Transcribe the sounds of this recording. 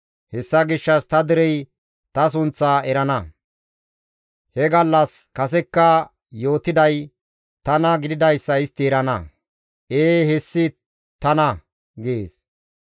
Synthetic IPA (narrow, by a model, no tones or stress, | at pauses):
hɛsːɐɡɪʃːɐst̪ɐd̪ɪɾɛj | t̪ɐs̬ʊnt͡sːɐɛɾɐnɐ | hɛɡɐlːɐskɐs̬ɛkːɐ | jo̞ːt̪ːɪd̪ɐj | t̪ɐnɐɡɪd̪ɪd̪ɐjsːɐɪst̪ːɪɛɾɐnɐ | ʔeːhɛsːɪ | t̪ɐnɐ | ɡeːs